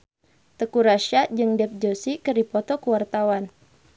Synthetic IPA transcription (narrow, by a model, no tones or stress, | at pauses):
t̪əkuɾaʃad͡ʒɨŋdɛp̚d͡ʒosikərdipɔt̪ɔkuwart̪awan